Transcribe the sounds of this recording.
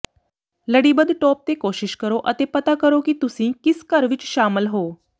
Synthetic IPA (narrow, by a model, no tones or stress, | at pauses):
ləɽibəd̪ʱʈɔp̚t̪ekoɕiɕkəɾoʔə̰t̪epət̪akəɾokiːt̪usĩːkiskəɾʋit͡ɕɕaməlɦo